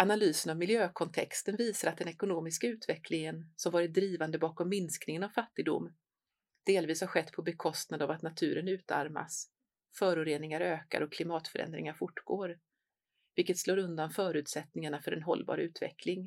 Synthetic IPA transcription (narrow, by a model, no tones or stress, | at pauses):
ʔanalyːsənavmɪljøːkʰɔnt̪ʰɛkst̪ənviːsaɾat̪̚d̪ɛnɛkʊnoːmɪskaʉ̟ːt̪vɛkʰlɪŋənsɔmvɑːɾɪt̪̚d̪ɾiːvand̪əbɑːkɔmːɪnsknɪŋənavfat̪ːɪɡ̚d̪ʊ̰mː | d̪̥eːlviːshaɾɧɛt̪ːpʰɔbɛkʰɔst̪nad̪avat̪nat̪ʰʉ̟̰ːɾənʉ̟ːt̪a̰ɾma̰s | fœːɾʊɾeːnɪŋaɾøːka̰ɾɔkʰlɪmɑːt̪fœ̰ɾɛ̰nd̪ɾɪ̰ŋaɾfʊʈːɡ̥oːɾ | vɪlkːət̪sloːɾɵnd̪anfœːɾʉ̟ːt̪sɛt̪nɪŋaɳafœɾɛ̰nɦɔ̰lːbɑ̰ːɾəʉ̟ːt̪vɛ̰kʰlɪŋ